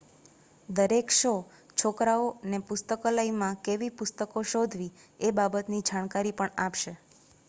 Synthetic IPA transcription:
d̪əɾekʃo | t͡ʃʰokɾaonepʊst̪əkolaimãkeʋipʊst̪əkoʃod̪ʱʋiebabət̪nid͡ʒankaɾipəɳapʃe

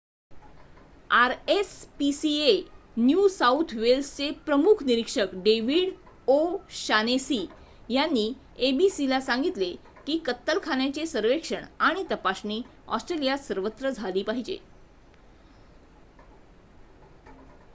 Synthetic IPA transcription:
aɾespisienjusaut̪ʰʋelst͡sepɾəmukʰniɾikʂəkɖeʋiːɽ | oɕanesi | janːiː | ebisilasãŋɡit̪le | kiːkət̪ːəlkʰanjat͡ɕesəɾʋekʂəɳaɽ̃it̪əpasniː | ɔ̰sʈɾelijasəɾʋət̪ːɾəd͡zʱaliːpaɦid͡ʑḛ

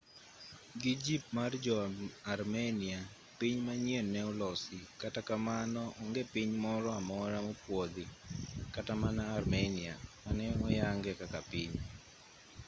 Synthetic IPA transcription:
ɡid͡ʒip̚mard͡ʒɔaɾmɛnia | piɲmaɲenːɛɔlɔsɪkatakamanɔʔɔŋɡɛpiɲmɔɾɔamɔɾamɔpwod̪ɪkatamanaːrmɛniamanɛɔjaŋɡɛkakapiɲ

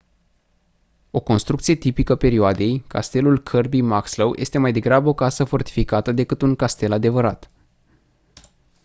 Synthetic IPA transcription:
o̞ko̞nst̪ɾuk̚t̪sije̞t̪ipikəpe̞ɾioad̪e̞jkʰa̰st̪e̞lulkʰərbimaksləwjʔe̞̰st̪e̞majd̪e̞ɡɾabəo̞kasəfo̞rt̪i̥fikat̪əd̪e̞kɨt̪uŋkast̪e̞lad̪e̞vəɾat̪

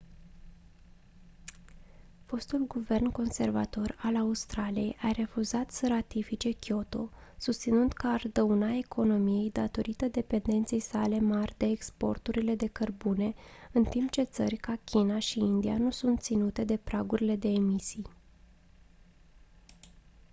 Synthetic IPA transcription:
fo̞st̪ulɡuve̞rnko̞nse̞rva̰t̪o̞ralaust̪ɾalije̞jʔaɾe̞fuzat̪səɾat̪ifit͡ʃe̞kʲjo̞t̪o̞̰sust̪sinund̪kəard̪əunae̞kʰo̞no̞mije̞jd̪at̪o̞ɾit̪əd̪e̞pe̞nd̪e̞nt̪se̞jsale̞marʲd̪e̞ːkspo̞̰rt̪uɾile̞d̪e̞kərbune̞ɨnt̪impt͡ʃe̞t̪sərʲkakʲʰinaʃiind̪ianusunt̪t̪sinut̪e̞d̪e̞pɾaɡuɾile̞d̪e̞ːmisij

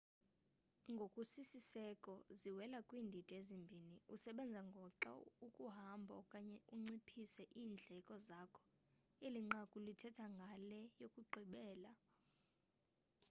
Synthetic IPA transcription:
ŋɡʱokʼusisisɛkʼɔziwɛlakʼwiːndʱid̥ʱʼezimbʱiniusɛɓɛnd͡zʱaŋɡʱɔǁa̰ukʼuɦambʱɔ̰kʼaɲɛuŋ͡ǀipʰisɛʔiːnd͡ɮʱɛkʼɔzakʰɔ̥ | eliŋ͡ǁakʼulitʰɛtʰaŋɡʱalɛjokʼuɡ͡ǃʱiɓɛːla

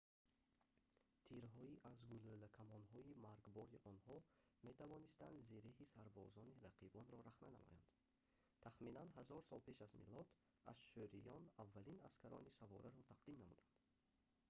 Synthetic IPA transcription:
t̪ʰiɾɦɔiʔazɡulølækʰamɔnɦɔimaɾɡbɔɾiʔɔnhɔme̞t̪ʰavɔnist̪and̪ziɾehisaɾbɔzɔniɾaqʰibɔnɾɔɾaχnæna̰mɔ̰ja̰nd̪̥ | t̪ʰaχminanɦazɔɾsɔlpʰe̞ʃazmḭlɔd̪ | a̰zʃøɾijɔnavːælinaskʰaɾɔ̰nisavɔɾaɾɔt̪ʰaqd̪imnamud̪and̪̥

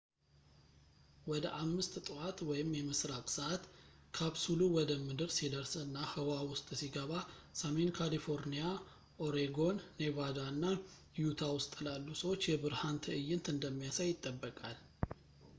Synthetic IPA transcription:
wɔd̪əʔamːɨst̪ʼt̪ʼɨwat̪wɔjɪmːjɛmɨsɾakʼsəat̪kʰaβsuluwɔd̪əmɨd̪ɨɾsid̪əɾsɨnːahəwawʊst̪ʼsiɡəβa | same̞nkʰalifo̞ɾnija | ʔoɾeɡo̞nːe̞vad̪anːa | jut̪ʰawʊst̪ʼɨlalːusəwot͡ʃːjɛbɨɾhant̪ʰəɨjːɪnt̪ɨnd̪əmːijasajɪt̪ʼːəbːəkʼal

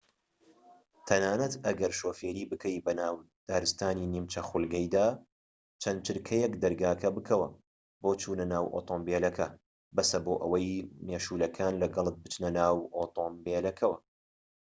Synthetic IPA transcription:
t̪ʰɐnaːnɐt̪ɐɡɐɾʃoːfeːɾiːbɨkʰɐjbɐnaːw | d̪̥aːɾɨst̪aːninimt͡ʃɐxʊlɡɐjd̪aː | t͡ʃʰɐnt͡ʃɨɾkʰɐjɛkd̪ɐɾɡaːkʰɐbɨkʰɐwɐ̰ | boːt͡ʃʰuːnɐnaːwʔo̰t̪ʰoːmbelɐkʰɐ | bɐsɐboːʔɐ̰wɐjmeːʃuːlɐkʰaːnlɐɡɐlˠɨt̪̚bɨt͡ʃnɐnaːwoːt̪ʰoːmbeːlɐkʰɐwɐ

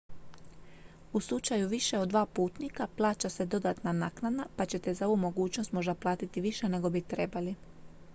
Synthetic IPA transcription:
uslˠut͡ʃajuʋiʃe̞od̪ʋaːpuːt̪nikaplˠaːt͡ɕase̞d̪o̞d̪at̪nanaknad̪napat͡ɕe̞t̪e̞zao̞ʋumo̞ɡuːt͡ɕnost̪mo̞ʒd̪aplˠaːt̪it̪iʋiʃe̞ne̞ɡo̞bit̪ɾe̞bali

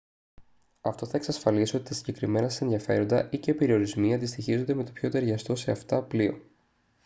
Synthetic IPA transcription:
ɐft̪o̞θɐeksɐsfɐlisio̞t̪i̥t̪ɐsiɲɟe̞kɾime̞nɐsse̞nðiɐfe̞ɾo̞nd̪ɐ̰ʔiceipe̞ɾio̞ɾizmiɐnd̪ist̪içizond̪e̞me̞t̪o̞pço̞t̪e̞ɾʝɐst̪o̞se̞ɐft̪ɐplio̞̰

